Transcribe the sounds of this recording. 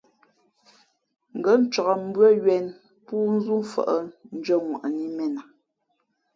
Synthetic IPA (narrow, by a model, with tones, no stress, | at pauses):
ŋ̩˨ɡə˦n̩˦t͡ʃɔ˨ɣa˨m̩˦bɰə˦ɥɛ˨n | puː˦n̩˦zu˦fə̰˦˨ʔə˦˨n̩˦d͡ʒə˦˨ŋwa̰˨ʔni˦mɛ˦na˨